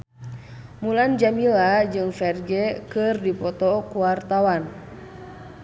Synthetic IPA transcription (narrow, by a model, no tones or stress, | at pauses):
muland͡ʒamilad͡ʒɨŋfɛrɡɛkɨrdipɔt̪ɔkuwart̪awan